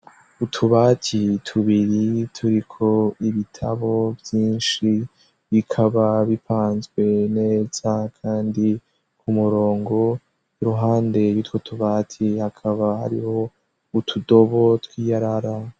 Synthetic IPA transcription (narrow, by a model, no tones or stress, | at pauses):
utʰuβaːtʰitʰuβiɾitʰuɾikʰo̞iβitʰa̰βo̞bjiːnʃi | βikʰaβaβipʰaːnzɡwe̞ne̞ːz̥akʰaːndi | kʰumuɾo̞ːŋɡo̞ | iɾuɦaːnde̞βitwotʰuβaːtʰihakʰaβaha̰ɾḭho̞ | utʰudo̞βo̞twiːjaɾaɾa